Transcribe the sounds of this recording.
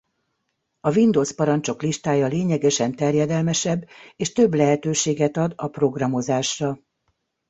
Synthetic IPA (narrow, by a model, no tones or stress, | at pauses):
ɒvind̪oːspɒɾɒnt͡ʃo̞kliʃt̪aːjɒleːɲɛɡɛʃɛnt̪ɛrjɛd̪ɛlmɛʃɛbːeːʃt̪ø̞blɛɦɛt̪øːʃeːɡɛt̪ɒd̪ɒpro̞ɡrɒmo̞zaːʃrɒ